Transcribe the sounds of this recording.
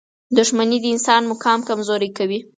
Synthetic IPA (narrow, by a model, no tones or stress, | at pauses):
d̪ʊʒmanid̪əɪnsɑnmʊkɑmkamzoɾijkawi